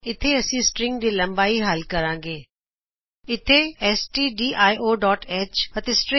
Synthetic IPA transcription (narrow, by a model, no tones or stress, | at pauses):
ɪt̪ʰeɐsĩːsʈɾɪ̃ŋɡd̪iːlɐ̃mbaːiɦaːlkɐɾãːŋɡeː | ɪt̪ʰeɛːsʈiːɖiːʔaːiʔoːɖɔːʈeːt͡ʃɐt̪esʈɾɪ̃